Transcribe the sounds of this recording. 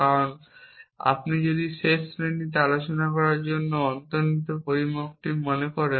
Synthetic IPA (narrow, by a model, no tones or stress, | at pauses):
kaɾon | a̰pnid͡ʑod̪iʃeʃmeɳʈit̪̬ealot͡ɕonakɔɾaɾd͡ʑonːoɔnt̪onit̪opoɾimokʈimonekɔɾen